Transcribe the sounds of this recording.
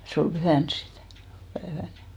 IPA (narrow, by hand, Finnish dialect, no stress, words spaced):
se ol b̥yhæˑns sit pæːʋæl